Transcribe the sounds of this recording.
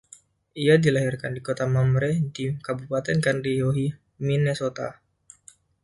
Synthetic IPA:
ʔiadilaɦirkandikot̪amamɾɛdikabupat̪ɛnkandijoɦi | minɛsot̪a̰

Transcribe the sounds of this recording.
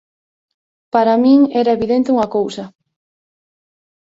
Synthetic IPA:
paɾamĩŋɛɾɐeβiðent̪euŋɐkowsɐ

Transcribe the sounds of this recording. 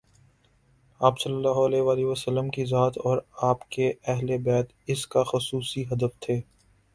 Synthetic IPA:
aːpsɐlːəlːaːɦʊɐleːʋaːliʋəsəlːəmkizaːt̪ɔːɾaːpkeʔɛɦlebɛːt̪ | ɪskaxʊsuːsiɦɐd̪əft̪ʰeː

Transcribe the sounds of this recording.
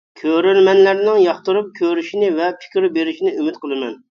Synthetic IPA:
kʲʰøɾylmɛnlæɾnɪŋjɑχt̪ɨɾup̚kʲʰøɾyʃinɪvɛpʰɪ̥kʲɪɾbeɾɪʃinɪymɪt̪̚qʰəlˠɨmɛn

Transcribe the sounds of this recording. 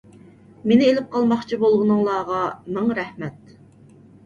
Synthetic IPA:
menɪelɪp̚qʰɑlˠmɑχt͡ʃʰibolˠʁənɨŋlˠɑːʁɑmɪŋɾɛhmɛt̪̚

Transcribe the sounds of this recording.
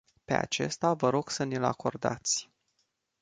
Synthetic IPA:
pe̞a̰t͡ʃe̞̰st̪avəɾo̞ɡ̥sənila̰ko̞rd̪a̰t̪sʲ

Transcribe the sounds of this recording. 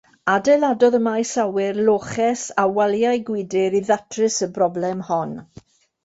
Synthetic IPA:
adɛladɔðəmajsawɪrlˠoːχɛsawalˠjajɡwɪdɪɾiðatʰrɪsəbrɔblɛmhɔn

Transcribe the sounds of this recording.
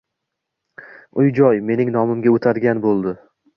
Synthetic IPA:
ʊjd͡ʒɒjme̞nɪŋnɒmɪmɡʲaot̪ʰaɾɡʲanbolˠd̪ɪ

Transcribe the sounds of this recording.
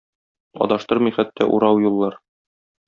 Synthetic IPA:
ɒ̰d̪ɑʃt̪ɤɾmɤjχæt̪ːæ̰ʔṵɾɑwjulˠːɑɾ

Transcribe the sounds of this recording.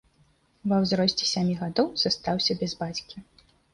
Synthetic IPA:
vɐwzɾɔsʲt͡sʲɛ̥sʲamʲiɣad̪ɔwz̥ɐst̪awsʲɐbʲɛzbat͡sʲkʲi

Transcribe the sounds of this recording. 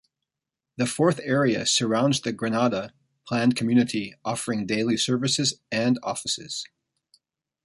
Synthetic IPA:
ðɨfɔɹθɛɹiɨ̰sə˞ãʊ̃nzðɨɡɹɨnɑɾə | pʰl̥æ̃nkʰmjʉnɨɾiɔfə˞ɪ̃ŋdeɪlˠisɜ˞vɨsɨzɨ̃nɔ̰fɨsɪ̰z̥

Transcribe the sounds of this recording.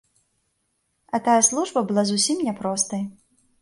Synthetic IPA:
ɐt̪ajɐslˠuʐbɐbɨlˠazusʲimnʲɛpɾɔst̪ɐj

